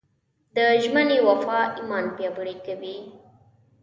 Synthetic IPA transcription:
d̪əʒmənewafɑʔimɑnpjɑbəɽikawi

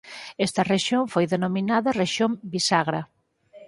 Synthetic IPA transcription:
ɛst̪ɐreʃjoɱfojðenominaðɐreʃjõmbisaɣɾɐ

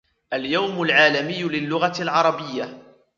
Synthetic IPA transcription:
ʔaljawmʊlʕaːlamɪjːʊlɪlːʊɣalʕɑɾˤɑbɪjːa

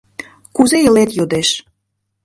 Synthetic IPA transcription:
kuzeəlet̪jod̪eʃ

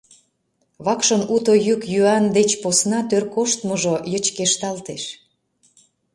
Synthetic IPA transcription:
βɑkʃənut̪ojykjyɑnd̪et͡ɕposnɑt̪ørkoʃt̪məʒojət͡ɕkeʃt̪ɑlt̪eʃ

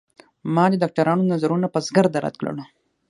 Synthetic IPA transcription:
mɑd̪ədɑk̚ʈaɾɑnonazaɾunapazɡaɾd̪aɾa̰t̪̚kɽə̰l

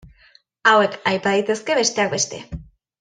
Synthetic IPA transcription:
awe̞kajpað̞it̪e̞ske̞βe̞st̪e̞ak̚be̞st̪e̞̰

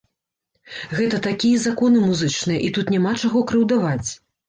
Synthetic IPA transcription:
ɣɛt̪ɐt̪akʲijɐzakɔnɨmuzɨt͡ʂnɨjɐʔit̪ut̪nʲamat͡ʂaɣɔkɾɨwd̪avat͡sʲ

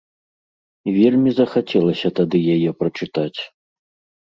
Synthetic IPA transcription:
vʲelʲmʲizɐxat͡sʲɛlˠɐsʲɐt̪ad̪ɨjajɛpɾɐt͡ʂɨt̪at͡sʲ

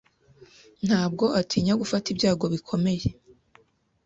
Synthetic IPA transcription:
n̥haːbɡo̞ʔatʰiːɲaɡufatibɟaːɡo̞βikʰo̞me̞je̞

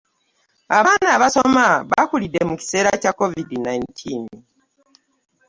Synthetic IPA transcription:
aβaːnaːβaso̞maβakulidːe̞muci̥se̞ːɾacakːo̞vidinajntʰiːn

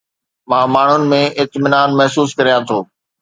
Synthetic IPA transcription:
mãːmaːɳ̤ʊnɪ̆mẽʔɪt̪mɪnaːnmɐɦsuːskɐɾijat̪ʰoː

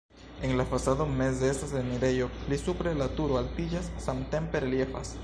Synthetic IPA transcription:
e̞ŋlafasadome̞s̬deestasemiɾejolisupɾelatuɾoalpid͡ʒasːamt̪e̞mpe̞ɾelje̞fa̰s

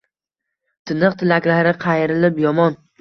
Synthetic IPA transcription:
t̪ʰɪnɨqt̪ʰɪlakʲlaɾɪqʰɑjɾɪlɪpjɒmɒn

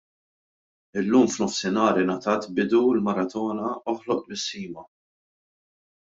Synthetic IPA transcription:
ɪlːuːmfnɔfsɪnɐːɾɪnɐt̪ɐːt̪bɪd̪uɪlmɐɾɐt̪ɔːnɐɔħlɔʔbɪsːiːmɐ

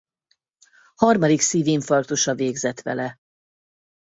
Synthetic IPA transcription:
hɒrmɒd̪iksiːviɱfɒrt̪oʃɒveːɡzɛt̪ʋɛ̰lɛ

